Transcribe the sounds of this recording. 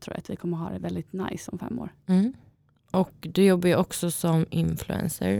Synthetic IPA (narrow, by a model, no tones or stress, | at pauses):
t̪ʰɾṵːɾat̪vɪkʰɔmːəɾɦɑːd̪ɛvɛld̪ɪt̪najsɔmfɛ̰mːo̰ːɾ̩ | ʔɔkd̪ɛjɔbːajʔɔksɔsɔmɪnflʉɛ̰nsə̰ɾ